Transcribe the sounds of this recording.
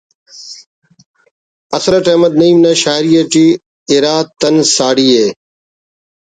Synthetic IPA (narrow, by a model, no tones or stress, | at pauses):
ɐsɾəʈeːməd̪niːmnaːʃaːɾijeʈiː | ɪɾaːt̪ːənsaːɽiːeː